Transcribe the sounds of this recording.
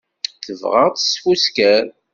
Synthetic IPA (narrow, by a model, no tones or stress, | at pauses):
θəvʁə̰ʁt͡sə̥sfuskæɾ